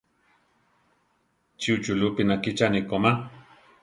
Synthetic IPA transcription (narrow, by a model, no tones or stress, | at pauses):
t͡ʃiut͡ʃulupinakit͡ʃanikoma